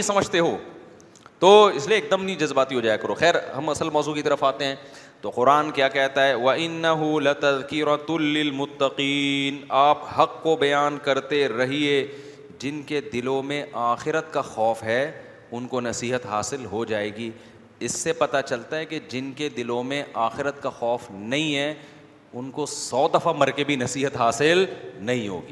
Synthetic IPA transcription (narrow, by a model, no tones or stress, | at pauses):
ĩsɐməd͡ʒt̪eɦoː | t̪oːɪslieːk̚d̪əmnĩd͡ʒɐzbaːt̪iɦod͡ʒaːjekɐɾoːxɛːɾɦɐmɐsəlmɔːzukit̪ɐɾəfaːt̪eɦɛ̃ː | t̪oqʊɾaːnkjaːkɛɦt̪aɦɛʋɐʔɪnːɐɦʊlɪt̪ɐðkɪɾɐt̪lɪlmʊt̪ːɐqiːnaːphɐqːobɐjaːnkɐɾt̪eɾɐɦie | d͡ʒɪnked̪ɪlõmẽʔaːxɪɾət̪kaxɔːfɦɛ | ʊnkonɐsiːɦət̪ɦaːsɪlɦod͡ʒaːeːɡiː | ɪsːepɐt̪at͡ʃɐlt̪aɦɛked͡ʒɪnked̪ɪlõmẽʔaːxɪɾət̪kaxɔːfnɐɦĩɦɛ | ʊnkosɔːd̪ɐfamɐɾkebʱinɐsiːɦət̪ɦaːsɪlnɐɦĩɦo̰ːɡiː